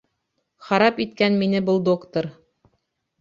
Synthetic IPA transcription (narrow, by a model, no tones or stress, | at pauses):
χɑɾɑpit̪kænminɘbɤlˠd̪okt̪oɾ